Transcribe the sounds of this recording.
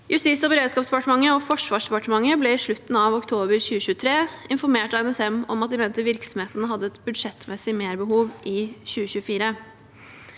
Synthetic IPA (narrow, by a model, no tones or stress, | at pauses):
jʔʉst̪iːsɔbəɾeːd̪skɑpsd̪ɛpɑʈəmɑŋːəɔfɔʂʋɑːʂd̪ɛpɑʈəmɑŋːəblɛɪʂɭʉt̪ːn̩ɑʋɔkt̪ʰoːbəɾçʉːəɕʉːət̪ʰɾeːɪnfɔɾmeːʈɑɛnɛsɛmɔmɑt̪̚d̪ɪmeːnt̪əʋɪɾksɔmheːt̪ənəɦɑd̪ːəɛt̪bʉd̪ʂɛt̪mʔɛsɪmeːɾbəɦuːʋʔɪçʉːəçʉːəfiːɾə